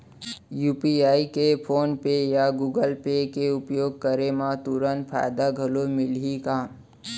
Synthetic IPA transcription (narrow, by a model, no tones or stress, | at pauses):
juːpiaːikepʰoːnpejaɡuːɡəlpekeʊpjoːɡ̚kəɾemãt̪uɾənpʰa̰ːjd̪aɡʱɐlomɪlɦikaː